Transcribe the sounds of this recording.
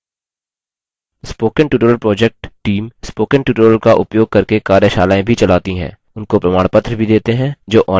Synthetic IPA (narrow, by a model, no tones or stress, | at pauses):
spoːkəɳʈjuːʈəɾəlpɾɔːd͡ʒek̚ʈʈiːmspoːkəɳʈjuːʈəɾəlkaʔʊpjoːɡ̚kɐɾkekaːɾjəʃaːlaːẽbʱit͡ʃɐlaːt̪iɦɛ̰̃ː | ʊnkopɾɐmaːɽ̃pət̪ɾəbʱid̪eːt̪eɦɛ̃d͡ʒoːʔɔː